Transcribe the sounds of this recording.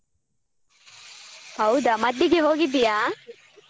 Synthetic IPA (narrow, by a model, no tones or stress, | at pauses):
hɐwd̪ɐmɐd̪ːiɡeɦoːɡib̪ijaː